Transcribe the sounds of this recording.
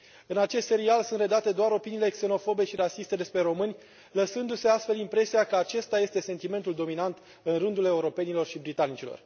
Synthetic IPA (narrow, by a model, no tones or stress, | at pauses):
ɨnat͡ʃe̞st̪se̞ɾialsunt̪re̞d̪at̪e̞d̪oaɾo̞piniːle̞kse̞no̞fo̞be̞ʃiɾasist̪e̞d̪e̞spɾe̞ɾo̞mɨnʲ | ləsɨnd̪use̞ast̪fe̞limpɾe̞siakəat͡ʃe̞st̪aje̞st̪e̞se̞nt̪ime̞nt̪uld̪o̞minant̪ | ɨnrɨnd̪ule̞uɾo̞pe̞nilo̞rʃibɾit̪anit͡ʃilo̞̰r